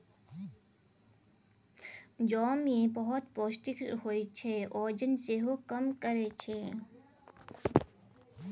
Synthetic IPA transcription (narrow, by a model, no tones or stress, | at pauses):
d͡ʒɔːmẽbəɦʊt̪poːsʈikɦoit͡ʃʰeʔoːd͡ʒənseɦokəmkəɾet͡ʃʰe